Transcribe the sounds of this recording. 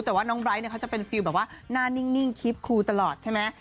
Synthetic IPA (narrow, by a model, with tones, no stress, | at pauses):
t̪ɛː˨˩waː˥˩nɔː˦˥ŋbɾa˦˥jn˥˩kʰa˥t͡ɕa˨˩pe˧nfi˧wbɛː˨˩waː˥˩naː˥˩ni˥˩ŋni˥˩ŋkʰi˦˥p̚kʰuː˧t̪a˧lɔː˨˩t̪̚t͡ɕʰa˥˩jmɛ˦˥